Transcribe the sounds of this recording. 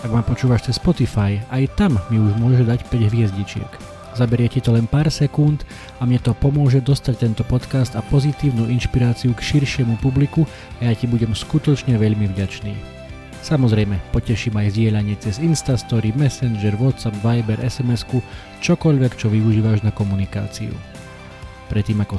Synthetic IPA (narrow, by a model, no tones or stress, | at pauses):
aɡmapɔt͡ʃuːʋaʃt͡sɛsːpɔt̪ifajajt̪amːiuʒmʊɔʒɛd̪acpɛɟɦʋɪɛzɟit͡ʃɪɛ̰k | zabɛɾɪɛcit̪ɔlɛnpaːɾsɛkunt̪ | amɲɛt̪ɔpɔmʊɔʒɛd̪ɔst̪ac̚t̪ɛnt̪ɔpɔt̪kast̪apɔzit̪iːʊnuːʔinʃpiɾaːt͡siukʃiɾʃɪɛmupubliku | ajacibuɟɛmskut̪ɔt͡ʃɲɛʋɛʎmivɟat͡ʃnḭː | samɔzɾɛjmɛpɔcɛʃiːmajvzɟɪɛʎaɲɪɛt͡sɛzinst̪ast̪ɔɾimɛsɛnd͡ʒɛɾʋɔt̪sabʋajbɛɾʔɛsɛmɛsku | t͡ʃɔkɔʎʋɛkt͡ʃɔʋiuʒiːʋaʒnakɔmunika̰ːt͡sḭṵ | pɾɛt̪ːiːmakɔ